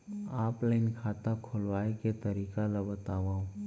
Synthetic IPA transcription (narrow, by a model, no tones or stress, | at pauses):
aːplaɪnkʰaːt̪akʰʊlʋaːeket̪ɐɾiːkalabɐt̪aːʋaɦũ